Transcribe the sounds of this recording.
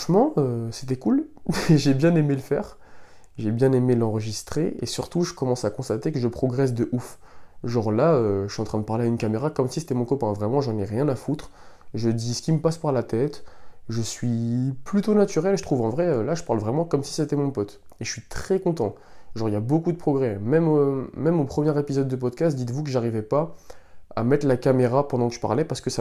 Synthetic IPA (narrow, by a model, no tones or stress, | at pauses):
ʃmɑ̃øse̥t̪ɛkulɛʒebjɛ̃nemeləfɛ̰ːʁ | ʒebjɛ̃nemelɑ̃ʁəʒist̪χeḛsyʁt̪uʒəkɔmɑ̃sakɔ̃st̪at̪ekəʒəpχɔɡʁɛs̬d̪əʔufʒɔʁlaøʃɥiɑ̃t̪χɛ̃d̪əpaʁleaynkameʁakɔmsise̥t̪ɛmɔ̃kɔpɛ̃vʁɛmɑ̃ʒɑ̃nɛʁjɛ̃nafut̪χʒəd̪isə̥kʲiməpaspaʁlat̪ɛt̪ʒəsɥiplyt̪onat̪yʁɛlʒət̪χuvɑ̃vʁɛølaʒəpaʁlvʁɛmɑ̃kɔmsi̥set̪ɛmɔ̃pɔt̪ | eəsɥit̪χɛkɔ̃t̪ɑ̃ | ʒɔʁiabokud̪əpχɔɡʁɛmɛmmɛmopχəmjɛʁepizɔd̪ːəp̬ɔd̪kʲast̪̚d̪it̪vukəʒaʁivɛpa | a̰mɛt̪lakameʁapɑ̃d̪ɑ̃kəʒə̥pa̰ʁlɛpaʁsə̥kəsa